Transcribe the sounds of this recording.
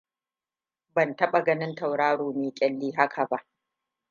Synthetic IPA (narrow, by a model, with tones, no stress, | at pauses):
bɐ˨ntɐ˦ɓa˨ɡɐ˦nɪ˦nta˨wɽaː˦ɽoː˨meː˨kʲʼɛ˦lːiː˦ɦa˦kʰa˨ba˦ʔ